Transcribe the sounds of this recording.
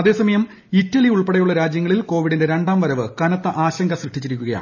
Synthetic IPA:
ɐðe̞ːsɐmɐjɐm | itːɐliuɭpeɽɐjuɭːɐɾaːd͡ʑjɐŋːɐɭilko̞ːʋiɽindeɾe̞ɳɖaːmʋɐɾɐʋɨkɐnɐt̪ːɐʔaːɕɐŋɡɐsrɨʂʈːit͡ɕːiɾikʲːuɣɐja̰

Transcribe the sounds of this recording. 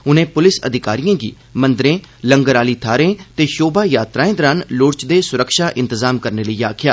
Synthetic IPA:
ʊnẽːpʊlɪsə̰d̪ɪkaːɾijãːɡḭː | mə̃nd̪ɾẽː | ləŋɡəɾaːliːt̪ʰaːɾẽːt̪eːʃoːbaːjaːt̪ɾaːẽːd̪əɾanlʊɽt͡ʃd̪eːsʊɾəkʃaːʔɪ̃nt̪əzaːmkəɾneːləiːaːkʰɪja̰ː

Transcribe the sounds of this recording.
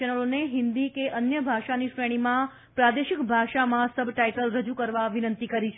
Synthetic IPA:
ənəloneɦɪnd̪ikeʔənjəbʱaʃaniʃɾeɽ̃imã | pɾad̪eʃɪkbʱaʃamãsəbʱʈaiʈəlɾəd͡ʒukəɾʋaʋinənt̪ikəɾit͡ʃʰ

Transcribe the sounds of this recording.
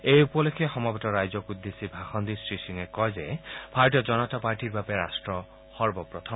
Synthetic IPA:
ejupɔlekʰɛxɔmɔbɔtɔɹajzɔkud̪ːesibʱaxɔnd̪isɹisiŋɛkɔjzɛb̥ʱaɹɔt̬ijɔzɔnɔtapaɹtiɹbabɛɹastɹɔ | xɔɹbɔpɹɔt̪ʰɔ

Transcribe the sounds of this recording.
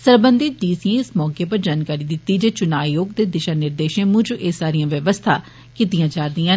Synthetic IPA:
səɾbənd̪ɪt̪̚d͡ʒiːsiẽɪsmɔːkeːpəɾd͡ʒaːnkaːɾiːd̪ɪt̪ːiːd͡ʒeːt͡ʃʊnaːjoːɡd̪eːd̪ɪʃaːnɪɾd̪eːʃẽːmʊ̃d͡ʒʔeːsaːɾijãːʋjəʋəst̪ʰaː | kɪt̪ijãːd͡ʒaːɾd̪ijãː

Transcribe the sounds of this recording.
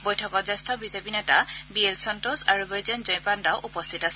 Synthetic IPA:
bojtʰɔkɔzɛstʰɔbizebinɛtabielsɔntosaɹubejzɔnzɔjpandaʊʔupɔstʰitasɛ

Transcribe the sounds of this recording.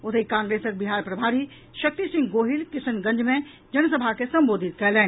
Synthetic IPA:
ʊt̪ʰikãːŋɡɾeːsək̚bɪɦaːɾpɾɐbʱaːɾi | ʃɐk̚t̪isɪ̃ŋɡɡoːɦɪlkɪsənɡɐ̃ɲd͡ʒmẽ | d͡ʒɐnsəbʱakesɐ̃mboːd̪ʱɪt̪̚kɐlɛːn

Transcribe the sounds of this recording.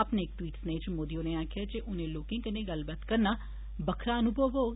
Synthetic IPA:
əpneɪk̚ʈwiːʈsnẽːt͡ʃmoːd̪ijõneːaːkʰjaːd͡ʒeʔʊnẽːloːkɪ̃ːkənẽɡəlbat̪kəɾnaː | bəkʰɾãːənʊbʱəboː

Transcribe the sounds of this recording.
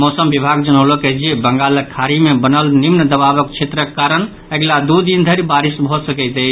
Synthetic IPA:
mɔsəmbibʱaɡd͡ʒənəwlokəd͡ʒiebəŋɡaləkʰːaɾimebənəlnimnəd̪əbabəkt͡ʃʰet̪ɾəkkːaɾən | eɡlad̪ud̪ind̪ʱəɾbaɾisbʱɔsəkəɪt̪ə

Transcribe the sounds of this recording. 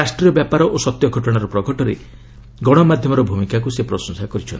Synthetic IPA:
asʈɾiɔbjapaɾɔʔosɔt̪jɔɡʱɔʈɔɽ̃aɾɔpɾɔɡʱɔʈɔɾe | ɡɔɽ̃ɔmad̪ʱjɔmɔɾɔbʱumikakusepɾɔsɔŋsakɔɾit͡ʃʰɔnt̪i

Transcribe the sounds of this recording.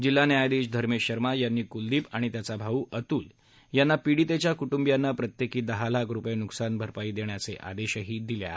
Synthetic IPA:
d͡ʑil̤ːanjajd̪iːɕd̪ʱəɾmeɕəɾmajanːiːkuld̪iːpaɽ̃it̪jat͡sabʱauːʔət̪uːl | janːapiɽit̪et͡ɕjakuʈumbjanːapɾət̪jekiːd̪əɦalakʰɾupjenuksanbʱəɾpaiːd̪eɳjat͡seʔa̰d̪eɕəɦiːd̪ilja̰

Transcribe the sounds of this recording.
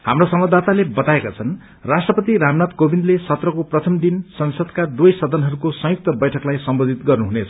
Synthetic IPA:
hamrosʌmʌd̪at̪alebʌt̪aekat͡sʰʌn | rasʈrʌpʌt̪iɾamnat̪kobind̪lesʌt̪rʌkoprʌt̪ʰʌmd̪insʌnsʌd̪kad̪wujsʌd̪ʌnɦʌɾukosʌ̃juk̚t̪ʌbʌjʈʰʌklajsʌmbod̪ʱit̪ɡʌrnuɦunet͡sʰʌ

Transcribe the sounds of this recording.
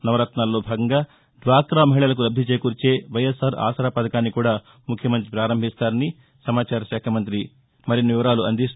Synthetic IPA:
nɐʋɾɐt̪naːlːo̞ːbʱaːɡɐŋɡaː | d̪ʋaːkɾaːmɐɦiɭɐlɐk̬ulɐbdʱit͡ʃeːkuːɾt͡ʃe̞ːʋɐjɐsaːɾa̰ːsɾaːpɐd̪ɐkaːnːikuːɽaː | mukʰjɐmɐnt̪̬ɾipɾaːɾɐmbʱist̪aːɾɐni | sɐmaːt͡ʃaːɾɐʃɛːkʰɐmɐnt̪ɾi | mɐɾinːiʋiʋɐɾaːluɐnd̪is

